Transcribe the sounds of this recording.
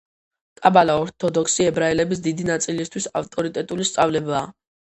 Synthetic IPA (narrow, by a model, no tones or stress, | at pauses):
t̪ʼabalaɔɾt̪ʰɔd̪ɔksiɛbɾaɛlɛbis̬d̪id̪inat̪sʼilist̪ʰwisaft̪ʼɔɾit̪ʼɛt̪ʼulist̪sʼavlɛbaː